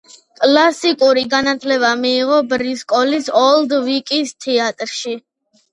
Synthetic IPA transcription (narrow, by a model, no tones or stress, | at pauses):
kʼlasikʼuɾiɡanat̪ʰlɛβamiːʁɔbɾiskʼɔlisɔld̪vikʼist̪ʰɛat̪ʼɾʃi